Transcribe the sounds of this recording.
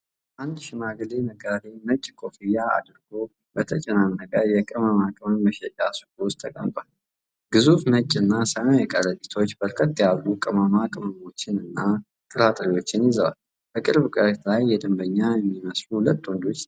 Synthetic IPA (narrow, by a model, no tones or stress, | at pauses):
ʔand̪ʃɪmaɡleməɡad̪emət͡ʃʼːkʰʼo̞fijaa̰d̪ɨɾɡ̥o̞ | bət̪ʰət͡ʃʼɛnanːəɡʼajɛkʼɨmamakʼɨməmːəʃɛt͡ʃʼasɨ̥kʼlwʊst̪ʰəkʼə̰mt̪ʼwal | ɡɨzufmət͡ʃʼːɨnːasəmajɛkʼəɾəɡit̪ʰo̞t͡ʃːbəɾkʰət̪ːjalːukʼɨməmakʼɨməmo̞t͡ʃːɪnɨnːa | t̪ʼɨɾat̪ʼɾiwo̞t͡ʃːɪnjɪzəwa̰l | bəkʼɨɾβkʼəɾit̪ʰlajːɛd̪ɨmbəɲːamiməsluhulət̪ːwɔnd̪o̞t͡ʃː